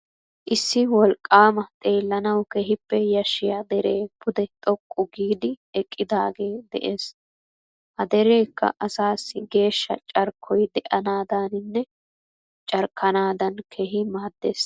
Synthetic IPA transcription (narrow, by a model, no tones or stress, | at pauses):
ʔɪsːɪwɔlkʼːaːmɐt̪ʼe̞ːlːɐnɐwkɛɦɪpːɛjɐʃːɪjad̪ɛɾe̞ːpʊd̪ɛt̪ʼɔkʼːʊɡiːd̪ɪɛkʼːɪd̪aːɡe̞ːd̪ɛ̰ʔeːs | hɐd̪ɛɾe̞ːkːɐ̰ʔɐsaːsːɪɡe̞ːʃːɐ̰t͡ʃʼɐɾkʰːɔjd̪ɛʔɐnaːd̪aːnɪnːɛ | t͡ʃʼɐɾkʰːɐnaːd̪ɐnkʰɛɦɪmaːd̪ːeːs